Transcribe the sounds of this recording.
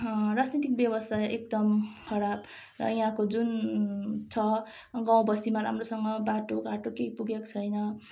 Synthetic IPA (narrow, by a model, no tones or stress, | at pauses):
rad͡znit̪ik̚bjʌbʌsajek̚d̪ʌmkʰʌɾab | rʌ̰iɦãkod͡zun | t͡sʰʌ | ɡãw̃bʌst̪imaɾa̰mrosʌŋʌbaʈoɡaʈokejpuɡekt͡sʰʌjnʌ